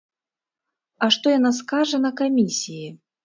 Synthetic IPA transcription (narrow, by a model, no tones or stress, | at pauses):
aʂt̪ɔjanaskaʐɐnɐkamʲisʲiji